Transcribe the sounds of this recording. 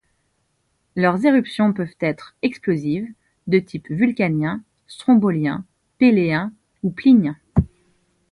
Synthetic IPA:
lœʁzeʁypsjɔ̃pœvt̪ɛt̪χɛksploziv | d̪ət̪ʰipvylkʲanjɛ̃ | st̪χɔ̃bɔljɛ̃ | peleɛ̃ | upliɲɛ̃

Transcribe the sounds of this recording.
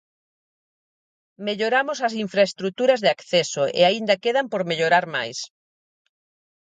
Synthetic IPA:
meʎoɾamosɐsiɱfɾaest̪ɾut̪uɾɐzðeakθesoʔḛaind̪ɐkeðampoɾmeʎoɾaɾma̰js

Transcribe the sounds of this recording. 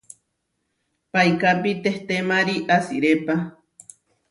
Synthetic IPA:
pajkapit̪eht̪emaɾiʔasiɾepa

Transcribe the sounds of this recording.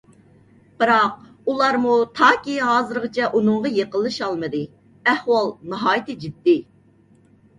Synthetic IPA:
b̥ɨɾɑq̚ | ulˠɑɾmut̪ʰɑːkʲiɦɑːzɨɾʁɨt͡ʃʰɛʔunʊŋʁɑjeqəlˠːɨʃɑlˠmɨd̪ɨ | ɛhwɑlˠnɨɦɑːjɪt̪ɨd͡ʒid̪ːɪ

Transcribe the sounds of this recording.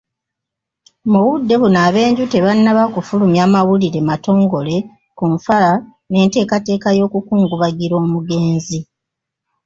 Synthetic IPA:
muwudːe̞βunaːβe̞ːɲɟute̞βanːaβakufulumjaːmawuliɾe̞mato̞ːŋɡo̞le̞ | kuɱfala | ne̞ːnte̞ːkate̞ːkajo̞ːkukuːŋɡuβaɡiɾo̞ːmuɡe̞ːnzi

